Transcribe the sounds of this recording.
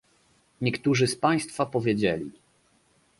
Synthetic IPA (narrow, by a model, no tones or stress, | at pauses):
ɲɛkt̪uʐɘspaj̃st̪fapɔvʲjɛd͡ʑɛlʲḭ